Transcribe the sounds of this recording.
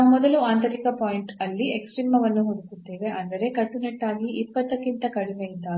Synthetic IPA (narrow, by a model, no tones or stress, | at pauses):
umɔd̪ɐluaːnt̪ɐɾikɐpaːjiɳʈɐlːieksʈɾiːmɐʋɐnːuɦod̪ukut̪ːeːʋe̞ʔɐnd̪ɐɾe̞kɐʈːuneʈːaːɡiʔipːɐt̪ːɐkːint̪ɐkɐɽimeint̪aː